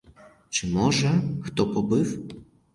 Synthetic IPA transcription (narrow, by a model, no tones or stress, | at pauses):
t͡ʂɨmɔʐɛxt̪ɔpɔbɨf